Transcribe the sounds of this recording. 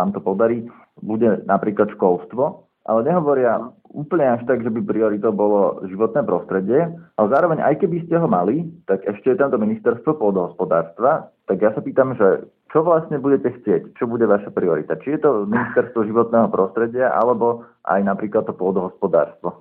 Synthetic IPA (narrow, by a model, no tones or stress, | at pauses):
aːmt̪ɔpɔd̪aɾiː | buɟɛnapɾiːklat̪ʃkɔlˠst̪ʋɔ | ʔa̰lɛɲɛɦɔʋɔɾɪauːpl̩ɲɛaʃt̪aɡʒɛbipɾiɔɾit̪ɔʊbɔlɔʒiʋɔt̪nɛːpɾɔst̪ɾɛɟɪɛʔalɛzaːɾɔʋɛɲʔa̰jkɛbiscɛɦɔmalit̪aɡɛʃcɛjɛt̪amt̪ɔminist̪ɛɾst̪ʋɔpɔd̪ɔɦɔspɔd̪aːɾst̪ʋat̪aɡjasapiːt̪amʒɛ | t͡ʃɔʋlasɲɛbuɟɛcɛxt͡sɪɛct͡ʃɔbuɟɛʋaʃapɾiɔɾḭt̪at͡ʃijɛt̪ɔminist̪ɛɾst̪ʋɔʒiʋɔt̪nɛːɦɔpɾɔst̪ɾɛɟɪaʔa̰lɛbɔʔa̰jnapɾiːklˠat̪t̪ːɔpɔd̪ɔɦɔspɔd̪a̰ːɾst̪ʋɔ